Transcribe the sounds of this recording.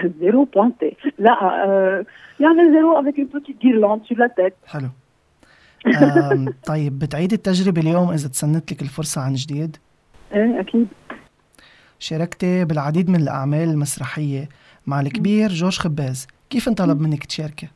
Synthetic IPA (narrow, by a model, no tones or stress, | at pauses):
zeɾupwɛ̃t̪elaʔ | jaʕmɪlzeɾoʔavɛkɪt̪ukiɡiɾlɑ̃ːd̪syɾlat̪ɛːt̪̚ħɪlu | t̪ˤːɑjːɪbːɪt̪ʕiːd̪ɪt̪ːaʒɾɪbeljoːmʔɪzat̪sanːɪt̪lɪkɪlfʊɾˤsˤɑʕanʒd̪iːd̪ | ʔeːʔakiːd̪ | ʃɑɾˤɑkt̪ebɪlʕad̪iːd̪mɪnɪlʔa̰ʕmeːlɪlmasɾˤɑħɪjːe | maʕlkbiːɾʒoːʒxabːeːzkiːfnt̪ˤɑlɑbmɪnːɪkt̪ʃeːɾke